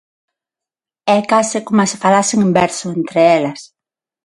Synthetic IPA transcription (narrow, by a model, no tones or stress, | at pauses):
ɛkasɪkomasɪ̥falasɪŋembɛɾsʊent̪ɾɪɛlɐs